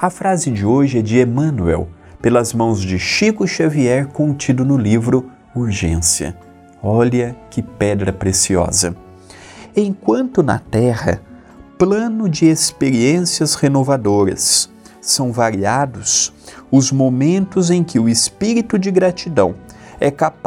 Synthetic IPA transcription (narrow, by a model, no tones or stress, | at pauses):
ɐfɾazɪd͡ʒɪoʒɪɛd͡ʒɪemɐ̃nuɛ̰w | pelɐzmɐ̃w̃zd͡ʒɪʃikʊʃaviɛɾkõnt͡ʃid̪ʊnʊlivɾʊ | uɾʒḛ̃siɐ̰ | ɔlɐkɪpɛd̪ɾɐpɾesiɔ̰zɐ̰ | ẽj̃kwɐ̃nt̪ʊnɐ̰t̪ɛhɐ̰ | plɐ̃nʊd͡ʒɪespeɾiẽsiɐshenovad̪oɾɐ̰sː | ɐ̃w̃vaɾiad̪ʊs | ʊzmomẽnt̪ʊzẽj̃kɪʊɪspiɾit̪ʊd͡ʒɪɡɾat͡ʃid̪ɐ̃w̃ɛkap